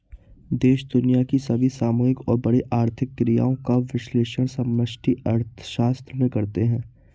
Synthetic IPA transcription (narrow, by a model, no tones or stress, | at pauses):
d̪eːʃd̪ʊnijakisɐbʱisaːmoːɪkɔːɾbɐɽeʔaːɾt̪ʰɪkːɾija̰ːõkaʋɪʃleːʃəɽ̃sɐməʃʈʰiɐɾt̪ʰə̥ʃaːst̪ɾəmẽkɐɾt̪eɦɛ̃ː